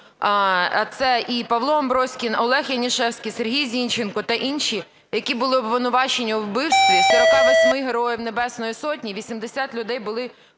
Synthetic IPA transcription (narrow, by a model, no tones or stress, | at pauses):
ɐt̪sɛʔipɐʋlˠɔɔmbɾɔsʲkʲinɔlˠɛxjɐnʲiʃɛwsʲkʲiserɦʲijzʲinʲt͡ʃenkɔt̪ɐʔinʃi | jɐkʲibʊlˠɪɔbʋɪnʊʋɑt͡ʃenʲːɐwbɪwʃt̪ʋʲizʲɐɐʋɔsʲmɪɦeɾɔjiwnebɛsnɔjisɔtʲnʲiʋʲisʲimd̪esʲat̪lʲʊd̪ɛjbʊlˠɪ